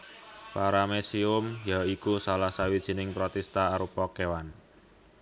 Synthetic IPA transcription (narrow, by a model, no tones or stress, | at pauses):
paɾamesiʊmjaikusalahsawid̥ʒ̥i̤nɪŋpɾɔt̪ɛst̪aːɾupɔkewan